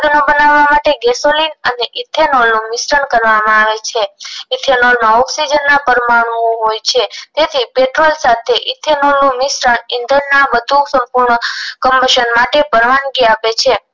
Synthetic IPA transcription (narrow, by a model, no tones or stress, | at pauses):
d̪nobənaʋːamaʈeɡɛsolinəneʔit̪ʰenolnũmɪsɾəɳkəɾʋamãaʋet͡ʃʰeit̪ʰenolmãɔksid͡ʒənːãpəɾmaɳõɦojt͡ʃʰet̪et̪ʰipeʈɾolsat̪ʰeʔit̪ʰenolnũmɪsɾəɳind̪ʱənnabəd̪ʱusəmpuɾɳəkəmbəʃənmaʈepəɾmaɳɡiapet͡ʃʰe